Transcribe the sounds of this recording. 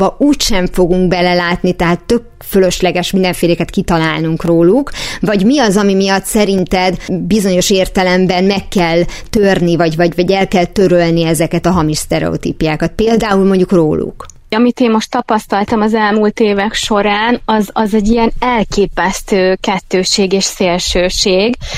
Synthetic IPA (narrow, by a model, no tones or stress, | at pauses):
ɒuːcʃɛɱfo̞ɡuŋɡ̚bɛlɛlaːt̪nit̪ɛɦaːt̪ːø̞k̚ | følø̞ʃlɛɡɛʃmind̪ɛɱfeːleːkɛt̪kit̪ɒlaːlnuŋkroːlukvɒɟmiɒzɒmimijɒt̪sɛɾint̪ɛd̪bizo̞ɲo̞ʃeːrt̪ɛlɛmbɛnmɛkːɛlt̪ørnivɒɟvɒɟvɒɟɛlkɛlt̪ø̞ɾølniɛzɛkɛt̪ɒɦɒmiʃst̪ɛɾɛ̰o̰t̪ḭpjaːkɒt̪̚peːld̪aːulmo̞ɲɟukro̰ːlṵk | ɒmit̪eːmmoʃt̪ːɒpɒst̪ɒlt̪ɒmɒzɛlmult̪eːvɛkʃo̞ɾaːnɒzɒzɛɟːijɛnɛlkeːpɛst̪øːkɛt̪ːøːʃeːɡeːʃseːlʃøːʃeːɡ